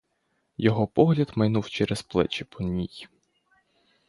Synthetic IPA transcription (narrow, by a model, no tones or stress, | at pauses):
jɔɦɔpɔɦlʲɐd̪mɐjnuwt͡ʃɛɾɛsplˠɛ̰t͡ʃɪpɔnʲij